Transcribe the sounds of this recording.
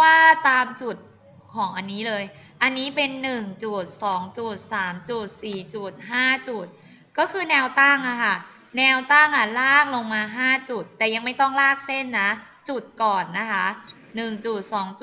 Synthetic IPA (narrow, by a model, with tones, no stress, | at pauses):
waː˥˩t̪aː˧mt͡ɕu˨˩t̪̚ | kʰɔː˩˦ŋʔa˧nːiː˦˥lɤː˧jʔa˧nːiː˦˥pe˧nːɯ˨˩ŋt͡ɕu˨˩t̪̚sɔː˩˦ŋt͡ɕu˨˩t̪̚saː˩˦mt͡ɕu˨˩t̪̚siː˨˩t͡ɕu˨˩t̪̚ɦaː˥˩t͡ɕu˨˩t̪̚ | kɔː˥˩kʰɯː˧nɛː˧wt̪a˥˩ŋʔa˨˩kʰa˥˩ | nɛː˧wt̪a˥˩ŋʔa˨˩laː˥˩k̚lo˧ŋmaː˧ɦaː˥˩t͡ɕu˨˩t̪ːɛː˨˩ja˧ŋma˥˩jt̪ɔ˥˩ŋlaː˥˩k̚se˥˩nːa˦˥ | t͡ɕu˨˩t̪̚kɔː˨˩nːa˦˥kʰa˦˥ | nɯ˨˩ŋt͡ɕu˨˩t̪̚sɔː˩˦ŋt͡ɕ